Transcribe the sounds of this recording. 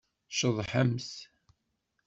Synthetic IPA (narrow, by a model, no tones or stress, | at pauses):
ʃəðˤħəms